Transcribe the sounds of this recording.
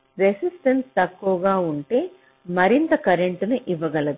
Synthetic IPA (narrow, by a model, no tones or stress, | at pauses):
ɾesisʈɐnst̪ɐkːuʋɐɡaːuɳʈe̞ː | mɐɾint̪ɐkɐɾeɳʈnuʔiʋːɐɡɐlɐd̪u